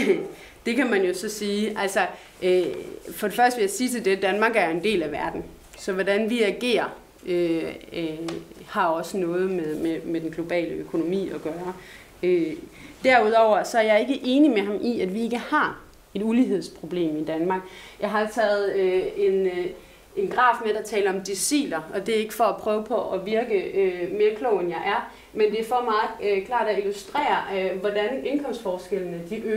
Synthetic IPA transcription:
d̥e̝kʰæmænjo̝sɒ̽siːʔælsɒ | ʔøfɒ̽ɾ̥e̝fɶɐsd̥əʋe̝jasiːt͡sʰe̝lde̝d̥ænmɑ̈ːɡ̥æɐjo̝e̝nd̥e̝̰ːlæʋæɐd̥n̩ | sɒ̽ʋɒdænʋiæɡ̥e̝̰ːɐ | ø | hɑ̈ɒ̽sənɔ̽ːð̞̩ˠmeðˠmemed̥enɡ̥lo̝b̥ɛ̰ːləøkʰo̝no̝mḭːɒ̽ɡ̥ɶːɐ | ød̥æɐuð̞ˠɒʊ̰ɐsɒ̽æɐjɑ̈e̝ɡ̥əʔe̝ːnimeɦɑ̈mʔiæd̥ʋie̝ɡ̥əhɑ̈ | e̝d̥uliɦe̝ð̞̰ˠspʰʁo̝b̥le̝̰ːmid̥ænmɑ̈ːɡ̥jɑ̈ɪɦɑ̈et͡sʰɛ̰ːð̩ˠøe̝n | e̝nɡ̥ʁɑ̰̈ːfmed̥ɑt͡sʰɛːləɒ̽md̥isḭːlɐɒ̽d̥e̝æɐe̝ɡ̥əfɒ̽æpʰʁœːʊəpʰɒ̽ʔɒʋiɐɡ̥əøme̝ːɐkʰlɔ̰ʊenjɑ̈ɪʔæɐ | mend̥e̝æɐfɒmɑ̈ːð̩ˠkʰlɑ̰̈ːɾ̥æilusd̥ʁɛ̰ːɐʋɒd̥ænenkʰɒ̽m̰sd̥fɒːsɡ̥el̰nəd̥iʔø

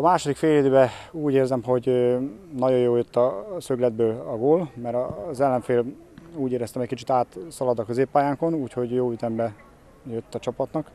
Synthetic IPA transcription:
ɒmaːʃo̞d̪ikfeːljeːd̪øːbɛuːɟeːrzɛmɦo̞ɟønɒɟo̞joːljøt̪ːɒsø̞ɡlɛd̪̚bøːlɒɡoːlmɛɾɒzɛlːɛɱfeːl | uːɟeːɾɛst̪ɛmɛcʲkit͡ʃi̥t̪aːt̪sɒlɒd̪ɒkøzeːpːaːjaːŋko̞nuːcho̞ɟjoːyt̪ɛmbɛ | jøt̪ːɒt͡ʃɒpɒt̪nɒk

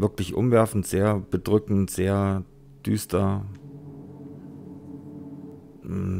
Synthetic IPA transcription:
vɪɐklɪçʔʊ̰mvɛɐfn̩tz̥eːɐb̥ədʁʏkŋ̩tz̥eːɐ | d̥yːstɐ

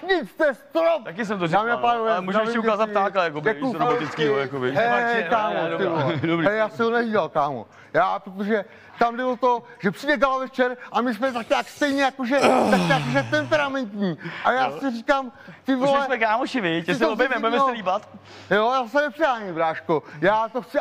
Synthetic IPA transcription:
ɲɪt͡st̪ɛst̪ɾopt̪akɪs̬ɛmt̪oziaːmɪapajaɛmuʒɛmɛukaːzat̪̚t̪aːklɛjakobɛkuɪt͡skiojakobɪɛkaːmot̪ɪldobɾiɛjaːsɛɦonɛviːdalkaːmo̰ | jaːpɾot̪oʒɛ | t̪amdɪlot̪o | ʒɛpr̥ibɛɡalavɛft͡ʃɛɾʔamɪsmɛt̪ak̚ɲaːkst̪ɛjɲɛjakoʒɛt̪akɲaːkoʒɛt̪ɛmpɛɾamɛnt̪ɲiːʔajaːsɪriːkamt̪ɪvolɛsmɛkaːmoʃɪvɪsobɛjmɛbuɛmɛosɛliːbat̪ | jojaːsɛmnɛprɪɦaːɲɛbɾaːʃkojaːt̪oxt͡sɪ

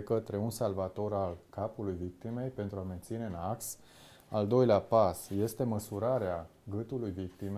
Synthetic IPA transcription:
ekət̪ɾe̞unsalvat̪o̞ɾalkapulujvik̚t̪ime̞jpe̞nt̪ɾuame̞nt̪sine̞ɨnaks | ald̪o̞jleapasje̞st̪e̞məsuɾaɾea | ɡɨt̪ulujvikt̪ime

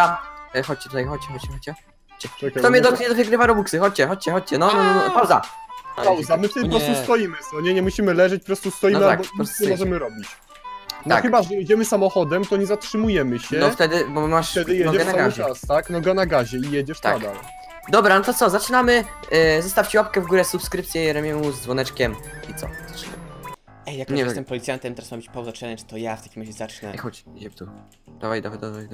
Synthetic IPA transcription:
axɔt͡ɕt͡ɕɛt̪ut̪ajxɔt͡ɕt͡ɕɛɔt͡ɕt͡ɕɛxɔt͡ɕt͡ɕɛ | t͡ɕʈ͡ʂɛkat̪ɔmɲɛd̪ɔɲɛd̪ɔvʲɛɡɾɘvaɾɔbuksɨxɔt͡ɕt͡ɕɛxɔt͡ɕt͡ɕɛxɔt͡ɕt͡ɕɛnɔpɾavd̪a̰awzamɘft̪ɛd̪ɨppɾɔst̪ust̪ɔjimɘsɔɲɛɲɛmuɕimɘlɛʐɛt͡ɕpɔpɾɔst̪ust̪ɔjinmaabɔisɛmɔʐɛmɘɾɔbʲit͡ɕ̪ | ɔa̰kxɘbaʐɛjɛd͡ʑɛmɘsamɔxɔd̪ɛmt̪ɔɲɛzatʂɘmujɛmɘɕɛɔft̪ɛd̪ɘbɔmaʂt̪ɛd̪ɪjɛɔɛɡɛnaɡaʑɛast̪aknɔɡanaɡaʑɛijɛd͡ʑɛʂt̪a̰akd̪al | d̪ɔbɾanɔt̪ɔt̪sɔzat͡ʂɘnamɘ | zɛst̪aft͡ɕiwap̚kɛvɡuɾɛsupskɾɘp̚t̪sʲjɛɾɛmʲjɛmuzd̪zvwɔnɛt͡ʂkʲɛmit̪sɔ̰z̥at͡ʂɨna̰m | ʔɛjjakɲɛjɛɛmpɔlʲit̪sʲjant̪ɛmt̪ɛɾasmabɘt͡ɕpawzat͡ʂɛlɛɲt̪ɔjaft̪akʲimɾaʑɛzat͡ʂnɛ̰ixɔt͡ɕid͡ʑɛpt̪u | d̪avajd̪avad̪avajd̪

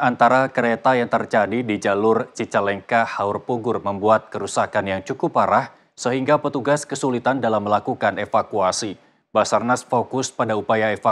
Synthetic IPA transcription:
ant̪aɾakəɾet̪ajaŋt̪ərd͡ʒadidid͡ʒalʊrt͡ʃit͡ʃalɛŋkahaʊrpuɡʊrməmbuat̪̚kəɾusakanjaŋt͡ʃukʊpaɾah | səɦiŋɡapət̪uɡaskəsulit̪andalamːəlakukanefakuasi | basarnasfokʊspadaupajaefa

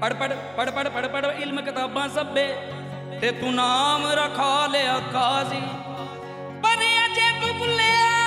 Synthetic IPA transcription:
pəɽpəɽ | pəɽpəɽpəɽpəɽɪlmkɪt̪aːbãːsəbeː | t̪eːt̪ũːnaːmɾakʰaːleːakʰaːsiː | pəniat͡ʃʰeːt̪ʊːkʊleːa

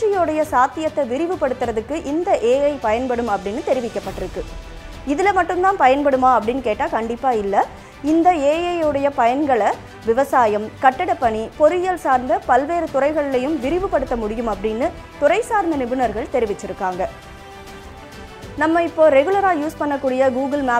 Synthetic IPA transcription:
ɐjoːɽɐjɐsaːt̪ːɪjɐt̪ːɐʋɪɾɪʋɯpːɐɽɯt̪ːɯɾɐðɯkːɯʔɪnd̪ɐʔeːjɐɪpɐjɐnpɐɽɯmɐpːɐɽɪnːɯt̪ɛɾɪʋɪkːɐpːɐʈːɪɾɯkːɯ | ɪðɪlɐmɐʈːɯmt̪aːnpɐjɐnpɐɽɯmaːɐpːɐɽɪnːkeːʈːaːkɐɳɖɪpːaːɪlːɐ | ɪnd̪ɐeːjɐjɯɽɐjɐpɐjɐnɡɐɭɐ | ʋɪʋɐsaːjɐmkɐʈːɐɽɐpːɐɳipɔɾɪjɐlsaːɾnd̪ɐpɐlʋeːɾɯt̪ʊrɐɪɣɐɭɪlɐjɯmʋɪɾɪʋɯpːɐɽɯt̪ːɐmʊɽɪjɯmɐpːɐɽɪnːɯ | t̪ʊrɐɪsaːɾnd̪ɐnɪbɯnɐɾɣɐɭt̪ɛɾɪʋɪt͡ʃːɪɾɯkːaːŋɡɐ | nɐmːɐɪpːoːɾɛɣɯlɐɾaːjuːspɐɳːɐkːuːɽɪjɐɡuːɣɯlmaː

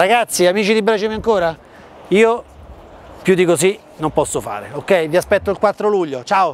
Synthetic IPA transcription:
ɾaɡat̪sːiamiːt͡ʃid̪ibɾat͡ʃɛmeaŋkoːɾa | iːo | pjud̪ikosi | nompɔsːofa̰ːɾeokːɛjviaspɛt̪ːoilkwat̪ːɾoluʎːot͡ʃaːo

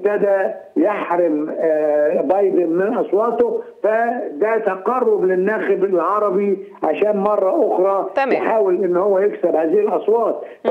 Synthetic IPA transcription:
t̪æd̪æjeħɾɪm | bɑjd̪ɪnmɪnʔɑsˤwɑːt̪ofæd̪æt̪ɑqɑrˤːoblɪnːæːxɪbɪlʕɑɾˤɑbi | ʕaʃæːnmɑrˤːɑʔoxɾˤɑjħaːwɪlʔɪnːhowːæjeksɪbhæːziːhɪlʔɑsˤwɑːt̪̚ˤ

